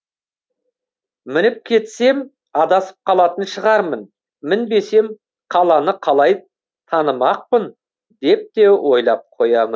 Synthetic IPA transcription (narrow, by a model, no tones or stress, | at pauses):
mɪnɪp̚kʲʰe̞t̪se̞m | ɑd̪ɑsə̥p̚qʰɑlˠɑt̪ənʃəʁɑɾmən | mɪnbe̞se̞m | qʰɑlˠɑnəqʰɑlˠɑj | t̪ʰɑnəmɑq̚pən | d̪e̞p̚t̪e̞wʔo̞jlˠɑp̚qʰo̞jɑmən